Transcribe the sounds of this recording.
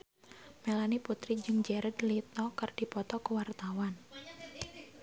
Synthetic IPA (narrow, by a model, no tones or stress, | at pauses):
melaniput̪ɾid͡ʒɨŋd͡ʒɛɾəd̪lit̪ɔkərd̥i̤pɔt̪ɔkəwart̪awan